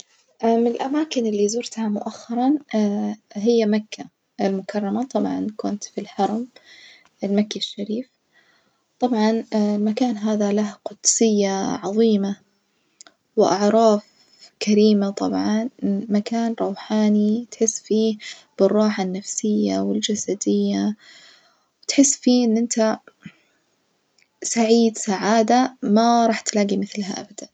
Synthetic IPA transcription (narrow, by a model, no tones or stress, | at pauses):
ʔamɪlʔamaːkɪnɪlːizʊɾt̪hamʊʔaxːɑɾˤɑn | ɦɪjːamakːa | ɪlmʊkʰɑrˤːɑmat̪ˤɑbʕɑ̰nkʊnt̪filħɑɾˤɑm | ʔɪlmakːaʃːaɾiːf | t̪ˤɑbʕɑnlmakaːnɦaːðalahqʊd̪sɪjːaʕɑðˤiːma | wɪʔɑ̰ʕɾˤɑːf | kaɾiːmat̪ˤɑbʕɑnmakaːnɾˤɑwħaːnit̪ħɪsːfiːb̥ɨrˤːɑːħanːafsɪjːawɪld͡ʒasad̪ɪjːa | wɪt̪ħɪsːfiːʔɪnːʔɪnt̪a | saʕiːd̪saʕaːd̪amaɾˤɑːħt̪laːɡimɪθlɦaʔa̰bad̪̥an